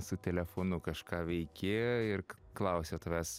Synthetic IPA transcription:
sʊt̪ʲɛlʲɛfoːnʊkɐʃkɑːʋʲɛɪkʲeːjoːɪr | klˠɐʊsʲoːt̪ɐʋʲæs

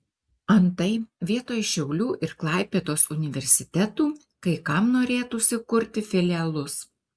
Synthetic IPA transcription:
ɐnt̪ɐɪʋʲiɛt̪oːjʃʲɛʊlʲuːʔɪɾklˠɑˑɪpʲeːt̪oːsʊnʲɪʋʲɛɾʲsʲɪt̪ʲɛt̪uː | kɐɪkɐmnoːɾʲeːt̪uːsʲɪkʊɾʲt̪ʲɪfʲɪlʲɪɛlˠʊs

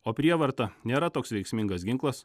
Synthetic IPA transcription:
oːpʲɾʲiɛʋɐɾt̪ɐnʲeːɾɐt̪oːksʋʲɛɪksʲmʲɪŋɡɐs̬ɡʲɪŋklˠɐs

